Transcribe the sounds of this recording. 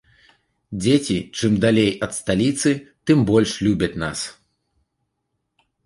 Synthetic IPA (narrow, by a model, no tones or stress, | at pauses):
d͡zʲet͡sʲit͡ʂɨmd̪alʲejɐt̪st̪alʲit̪sɨt̪ɨmbɔlʲʂlʲubʲɐt͡sʲna̰s